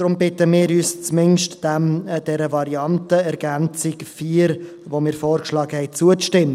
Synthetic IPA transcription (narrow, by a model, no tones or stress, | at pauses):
d̥ɾʊmbɪtəmɪːɾyːst͡smɪnʃtd̥ɛmd̥ɛɾəvɑɾiɑntəɛɾɡænt͡sɪkfiːɾ | vomɪːɾfɔːɾkʃlɑːɡ̥əhɛɪt͡suət͡sʃtɪmː